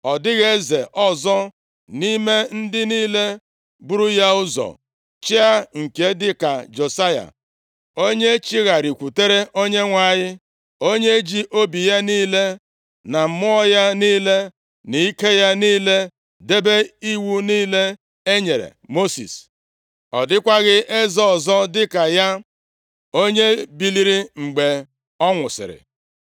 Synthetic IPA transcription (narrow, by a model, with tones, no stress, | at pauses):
ɔ˨dɪ˦ɣe˦ze˨ʔɔ˦zɔ˦ | ni˦me˦n̩˦dɪ˦niː˦le˦ | bʊ˦ɾu˦ja˦ʊ˦zɔ̰˨ | t͡ʃi˦a˦ŋ̩˨ke˨˦dɪ˦ka˨d͡ʒo˨sa˦ja̰˨ | o˦ɲe˦t͡ʃi˦ɣa˨ɾi˨kʷu˨te˦ɾe˦ʔo˦ɲe˦ŋʷa˨ɲɪ˦ | o˦ɲe˦e˦d͡ʒi˦ʔo˦bi˨ja˦niː˦le˦ | na˨m̩˨˦mʊ˦ɔ˦ja˦niː˦le˦ | ni˨i˦ke˦ja˦niː˦le˦ | de˦be˦i˦wu˦niː˦le˦ | e˦ɲe˨ɾḛ˨mo˦sḭ˨s | ɔ˨dɪ˦kʷa˦ɣɪ˦ʔe˦zɔ˦ɔ˨zɔ˦dɪ˦ka˨ja˦ | o˦ɲe˦bi˨li˦ɾi˦ŋ͡m̩˨ɡ͡be˨ | ɔ˦ŋʷʊ˨sɪ̰˨ɾɪ̰˨